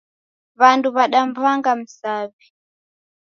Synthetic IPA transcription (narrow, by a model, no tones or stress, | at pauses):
βantuβaɗambaŋɡam̩saːbi